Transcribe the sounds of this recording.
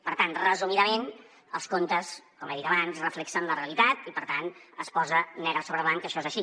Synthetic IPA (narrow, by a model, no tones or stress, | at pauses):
pəɾt̪anrəzumiðəmen | ə̰lˠskont̪əskɔmeðit̪əβanzrəflɛksənləreəlit̪at̪ipəɾt̪anəspɔzənɛɣɾəsoβɾəβaŋkəʃɔezəʃi